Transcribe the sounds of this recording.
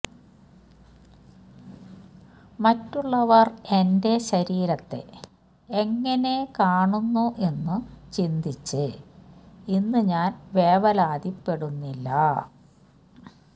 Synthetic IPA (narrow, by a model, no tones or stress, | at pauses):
mɐtːuɭːɐʋɐre̞nde̞ɕɐɾiːɾɐt̪ːe̞̰ | eŋːɐne̞kaːɳunːuʔe̞nːɨt͡ɕind̪it͡ɕːɨ | inːɨɲaːnʋe̞ːʋɐlaːd̪ipːe̞ɽunːilːɐ̰